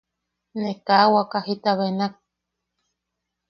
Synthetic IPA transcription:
nekawakahit̪aβenak̚

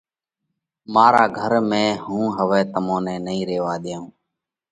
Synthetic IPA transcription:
maːɾaːɡʱəɾmẽːɦũːɦəʋɛːt̪əmõːnɛ̃ːnəĩːɾeːʋaːɗ̪jãːũː

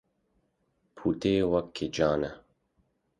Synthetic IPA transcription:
pʰuːt̪eːwɐkʰːed͡ʒaːnɛ

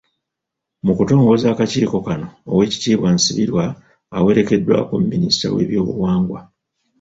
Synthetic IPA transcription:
mukuto̞ːŋɡo̞zaːkaciːko̞kano̞ːwe̞ːci̥tiːβwansiβiɾwaː | we̞ɾe̞ke̞dːwa̰komumːinista̰we̞̰ːβjo̞ːβṵwaːŋɡwa

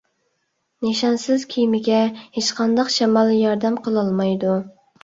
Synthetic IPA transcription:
neʃɑnsɪz̥kʲʰijmɪɡʲɛhet͡ʃqʰɑnd̪ɑqʃɛmɑlˠjɑɾd̪ɛmqʰəlˠɑlˠmɑjd̪u

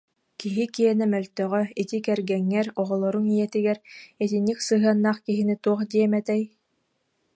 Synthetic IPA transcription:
kiɦikiɛnɛmœlt̪œʁœit̪ikɛɾɡɛŋːɛɾɔʁɔlˠɔɾuŋijɛt̪iɡɛɾɛt̪inːiksɯɦɯɐnːaːχkiɦinit̪uɔχd̪iɛmɛt̪ɛj

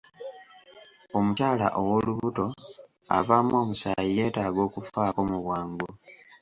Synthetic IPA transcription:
o̞mucaːla̰ʔowo̞luβuto̞ | a̰vaːmo̞ːmusajije̞ːtaːɡo̞ːkufaːko̞muβwaːŋɡu

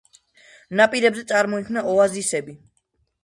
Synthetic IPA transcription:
napʼiɾɛbzɛt̪sʼaɾmɔikʰnaʔɔazisɛbi

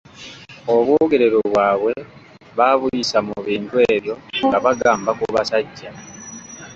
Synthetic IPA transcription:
o̞βwuːɡe̞ɾe̞ɾoβwaːβwe̞ | βaβuisamuβiːntwe̞ːβjo̞ŋɡaβaɡaːmbakuβasaɟːa

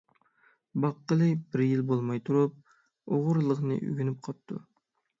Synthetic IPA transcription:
bɑqːəlˠɨbɪɾjilbolˠmɑjt̪ʰuɾup̚ | oʁʊɾlˠəʁnɨ̰ʔy̰ɡʲynyp̚qʰɑp̚t̪ʰːṵ

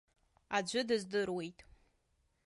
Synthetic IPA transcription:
ad͡ʒʷʊdɨzdɨrwejtʼ

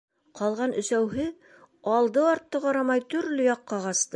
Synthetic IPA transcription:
qɑlˠʁɑnɵ̆sæwɦɘ | ɑlˠd̪ɤɑɾt̪ːɤqɑɾɑmɑjt̪ɵ̆ɾlɘjɒqːɑʁɑst̪ɤ

